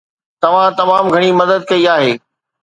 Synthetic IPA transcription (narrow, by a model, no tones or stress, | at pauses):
t̪ɐʋ̤ãt̪ɐmaːmɡʱɐɽ̃imɐd̪əd̪̚kɐiaːɦeː